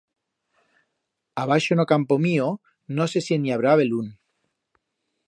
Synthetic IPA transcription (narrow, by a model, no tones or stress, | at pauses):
aβ̞aʃonokampomio | nosesieniaβɾaβelun